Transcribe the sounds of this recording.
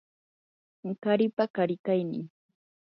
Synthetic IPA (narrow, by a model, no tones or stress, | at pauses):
kaɾɪpakaɾɪkajnɪ̰